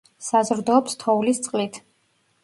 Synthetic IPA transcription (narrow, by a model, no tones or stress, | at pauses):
sazɾd̪ɔːpst̪ʰɔulist̪sʼqʼlit̪ʰ